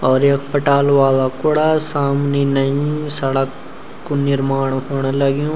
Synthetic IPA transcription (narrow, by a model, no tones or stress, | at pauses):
ɔːɾeːkʰpəʈaːlʋaːlakʊɽasaːmnenəĩsəɽəkː | onɪɾmaːɳ̃ɦoːɽ̃eləɡjõː